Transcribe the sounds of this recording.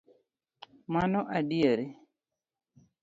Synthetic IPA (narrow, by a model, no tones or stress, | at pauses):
manɔʔaɗiaɾi